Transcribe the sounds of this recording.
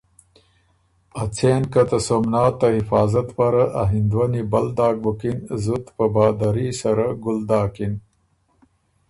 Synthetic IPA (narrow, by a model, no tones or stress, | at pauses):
ɐt͡seːnkɐt̪ɐsomnɑːt̪ːɐɦɪfɑːzɐt̪paɾaʔaɦind̪wanibɐld̪ɑːk̚bukinzut̪pəbaːd̪aɾisɐɾaɡʊld̪ɑːkin